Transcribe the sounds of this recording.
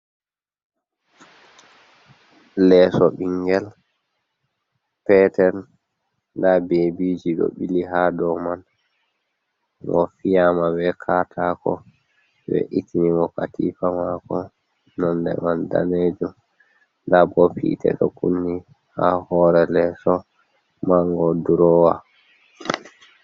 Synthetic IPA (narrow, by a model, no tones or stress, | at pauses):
lɛːsɔɓiŋɡɛl | pɛtɛn | ndabebiːd͡ʒiɗɔ̰ɓiliɦadɔman | ŋɔ̰fijamabɛkʰaːtʰakɔ̰ | bɛ̰ʔitiniŋɡɔkatifamakɔ | nɔndɛ̰manda̰ned͡ʒum | ndabɔpʰḭtʰɛ̰ɗɔkunːi | ha̰hɔːɾɛlɛsɔ | maŋɡɔduɾɔːwa